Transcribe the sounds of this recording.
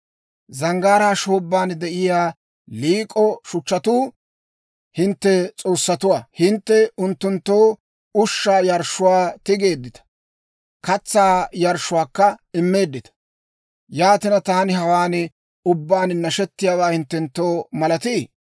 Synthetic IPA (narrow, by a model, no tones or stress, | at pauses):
zɐŋɡaːɾaːʃoːbːaːnd̪ɛʔɪjaː | liːkʼɔʃʊt͡ʃːɐt̪uː | hɪnt̪ːɛt͡sʼo̞ːsːɐt̪ʊwaːhɪnt̪ːɛʊnt̪ːʊnt̪ːo̞ː | ʊʃːaːjɐɾʃʊwaːt̪ɪɡe̞ːd̪ːɪt̪ɐ̥ | kɐt͡sːaːjɐɾʃʊwaːkːɐɪmːe̞ːd̪ːɪt̪ɐ̥ | jaːt̪ɪnɐt̪aːnɪɦɐwaːn | ʊbːaːnnɐʃɛt̪ːɪjaːwaːhɪnt̪ːɛnt̪ːoːmɐlɐt̪iː